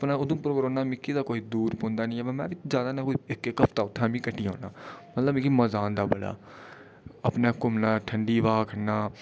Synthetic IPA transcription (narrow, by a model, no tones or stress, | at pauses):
pnãːʊd̪ʊ̃ːpʊɾokɾõːnaːmɪkːiːd̪aːkoːiːd̪uːɾpõːnd̪aːnĩːɛmɛ̃mɛ̃ːʋɪzjaːd̪aːnãːkoːɪkːekəpʰt̪aːʊt̪ʰːãːmĩːkəʈːiːɦõ̰ːnaːmət̪ləbɪkiməzaːnd̪aːbəɽa̰ː | əpnaːkʊmnãːʈʰəɳɖiːʋaːkʰənaː